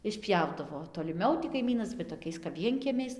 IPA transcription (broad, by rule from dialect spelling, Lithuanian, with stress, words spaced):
ɪʃʲˈpʲjɛʊdɐʋoː toːlʲɪˈmʲɛʊ tʲɪ kɐɪˈmʲiːnɐs ʋɐ toːˈkʲɛɪs kɐp ˈʋʲiɛŋʲkʲiɛmʲɛɪs